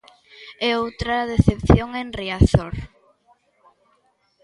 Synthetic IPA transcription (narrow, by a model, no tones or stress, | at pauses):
ɛowt̪ɾaðeθepθjoŋenriaθoɾ